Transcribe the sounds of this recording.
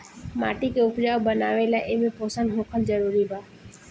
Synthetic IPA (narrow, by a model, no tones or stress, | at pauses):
ma̰ːʈikeʊpd͡ʒaːobənaːʋelaʔemẽpoːsənɦoːkʰəld͡ʒəɾuːɾibaː